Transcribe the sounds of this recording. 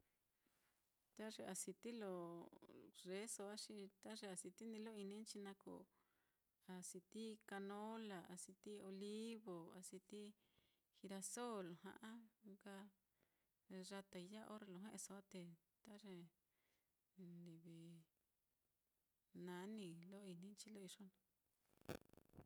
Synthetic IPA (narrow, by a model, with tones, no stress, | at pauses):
t̪a˦ʐe˧a˨si˧t̪i˦lo˧˨ | ʐe˨˦so˧a˦ʂi˧t̪a˦ʐe˧a˧˨si˧t̪i˦nĩ˧˦lo˦i˧nĩ˦n˦t͡ʃi˧nã˧ko̰˨ | a˨si˧t̪i˦ka˧nõ˦la˨a̰˨si˧t̪i˦o˧li˦βo˨a˨si˧t̪i˦ | hi˧ɾa˧so˦lo˨hã̰˧ʔã˦ka˦˧ | ʐa˧t̪a˧i˧ja˦ʔo̰˦ɾe˧lõ˧ɦẽ˦ʔe˧so˧a˦t̪e˧ | t̪a˦ʐe˧ | ndi˨βi˨ | nã˨˦nĩ˧lo˦i˧nĩ˦nt͡ʃi˧lo˦i˧ʐo˦nã˧